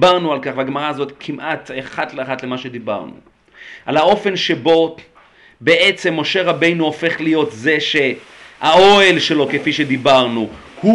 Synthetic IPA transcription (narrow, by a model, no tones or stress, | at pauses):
baʁnualkaχvaɡmaʁaːzo̞t̪kʰimʔat̪eχatleaχatle̞maʃe̞d̪iba̰ʁnṵ | ʔalao̞fe̞nʃe̞bo̞ | be̞ʔet͡se̞mːo̞ʃe̞ʁabe̞jnuofe̞χlijo̞tze̞ʃe̞ | ao̞elʃe̞lo̞kefiʃe̞d̪ibaʁnu | hu